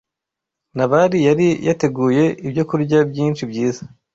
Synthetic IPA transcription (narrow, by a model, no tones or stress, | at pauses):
naβaɾijaɾijate̞ɡuːje̞ibɟo̞kuɾɟabjiːnt͡ʃibɟiːza